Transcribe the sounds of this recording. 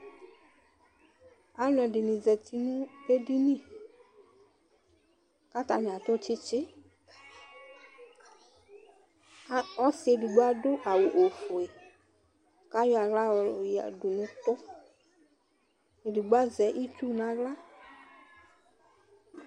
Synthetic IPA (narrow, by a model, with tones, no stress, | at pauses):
a˦lɛ˨ɖɪ˨nĩ˨zɛ˨t̪i˨nũ˦be˦di˦nĩ˦˨ | ka˦t̪a˨nɪ̃˨a˨t̪o˦t͡ʃɪ˦t͡ʃɪ˦ | ɔ˦sɪ˨e˨di˨ɡ͡ba˦dʊ˦ʔa˨wo˨ʔo˨fo˨e˨ | ka˦jɔ˦a˨la˦˨ja̰˨du˨nũ˦t̪ɔ˦ | e˨di˨ɡ͡ba˦zɛ˨˦ʔi˦t͡ʃu˦nã˨la˦